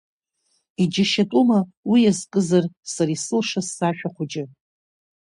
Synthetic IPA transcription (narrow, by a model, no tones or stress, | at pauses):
id͡ʒɪʃatʼumawijazkʼɨzarsaɾisɨlʂasːaʃᶣaqʷʊd͡ʒɪ